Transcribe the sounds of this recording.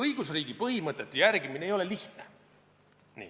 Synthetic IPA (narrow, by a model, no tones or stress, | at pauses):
ɤjɡ̥usriːɡipɤɦimɤt̪ːˑet̪ːˑejærɡimineejo̞le̞liht̪ne | nḭː